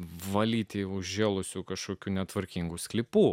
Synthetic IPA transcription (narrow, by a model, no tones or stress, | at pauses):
ʋɐlʲiːt̪ʲɪʊʒʲʒʲeːlˠʊsʲukɐʃkoːkʲuːnʲɛt̪ʋɐɾʲkʲiŋɡuːsʲklʲɪpuː